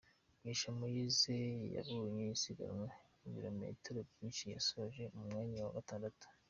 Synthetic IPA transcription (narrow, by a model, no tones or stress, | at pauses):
wiʃamojizeja̰vuɾɲejisiɡa̰ɾŋwainviɾo̞me̞̰tɾobjiːnʃija̰soβaʒe̞umumŋaːɲawa̰ɡataːndatu̥